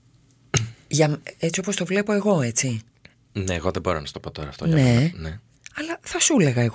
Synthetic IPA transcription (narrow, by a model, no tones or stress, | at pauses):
ʝɐme̞t͡sio̞po̞st̪o̞vle̞po̞e̞ɣo̞e̞t͡si | neːɣo̞ðeboɾonɐst̪opot̪oɾɐːft̪one̞ne | ɐlɐθɐsule̞ɣɐeɣo